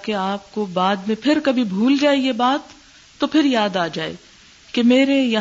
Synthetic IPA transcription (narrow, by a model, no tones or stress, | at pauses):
keaːp̚kobaːd̪mẽpʰɪɾkɐbʱibʱuːld͡ʒaːejebaːt̪ː | opʰɪɾjaːd̪aːd͡ʒaːḛː | kemeːɾejɐ